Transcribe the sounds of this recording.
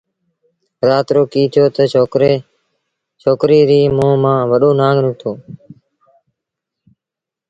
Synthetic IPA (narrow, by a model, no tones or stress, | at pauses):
ɾaːt̪ɾoːkiːt̪ʰjoːt̪əoːɾe | t͡ʃʰoːkɾiːɾiːmõːmãːʋəɗoːnãːŋɡɾʊːt̪ʰoː